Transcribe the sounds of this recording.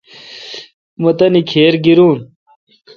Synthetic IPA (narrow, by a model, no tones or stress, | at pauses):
mot̪ɐnikʰeːɾɡiɾuːn